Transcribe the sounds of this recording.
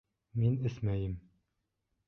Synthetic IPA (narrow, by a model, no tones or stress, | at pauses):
minɘsmæjɘm